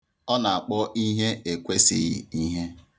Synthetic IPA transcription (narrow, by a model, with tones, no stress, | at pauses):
ɔ˦na˨a˨k͡pɔ˦ʔi˦ɦe˦e˨kʷe˦si˦ɣḭ˨i˦ɦe˦